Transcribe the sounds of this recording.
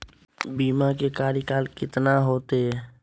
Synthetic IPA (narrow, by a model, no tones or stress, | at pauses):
biːmakekaːɾikaːlkɪt̪naɦoːt̪eɦɛ